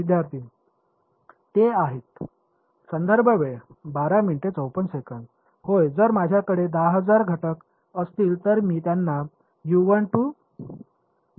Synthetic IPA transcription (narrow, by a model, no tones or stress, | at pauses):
id̪jaɾt̪ʰiː | eaɦet̪ | sənd̪əɾbʱəʋebaɾaminʈet͡səwpənsekən | hojd͡zəɾmad͡ʑʱjakəɽed̪aɦəd͡zaɾɡʱəʈək | əst̪iːlt̪əɾmiːt̪janːa | juʋəɳʈu